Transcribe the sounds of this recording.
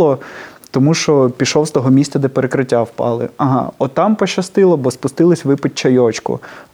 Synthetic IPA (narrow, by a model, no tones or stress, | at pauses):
ɔt̪ɔmuʃt͡ʃɔpʲiʃɔwst̪ɔɦɔmʲisʲt̪t͡s̪ɐd̪ɛpeɾekɾɪtʲːawpɑ̰lˠɪ̰ɐɦɑ̰ɔt̪ɑmpɔʃɐst̪ɪlˠɐbɔspʊst̪ɪlˠɪsʲʋɪpɪt͡ʃːɐjɔt͡ʃkʊ̰